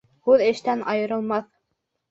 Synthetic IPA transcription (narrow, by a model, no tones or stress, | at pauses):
huðɘ̆ʃt̪ænɑjɤ̆ɾɤ̆lˠmɑθ